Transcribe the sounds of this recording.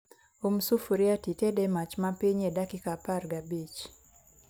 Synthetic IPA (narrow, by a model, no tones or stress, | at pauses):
umsufuɾjatitɛdɛmat͡ʃmapiɲedakikaparɡabit͡ʃ